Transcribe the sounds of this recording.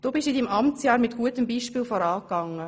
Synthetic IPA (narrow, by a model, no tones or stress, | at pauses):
d̥oːbɪʃidimʔɑmt͡sjɑːɾmɪtɡ̥uətəmbiːʃpiːlfɔɾɑːkɑŋːə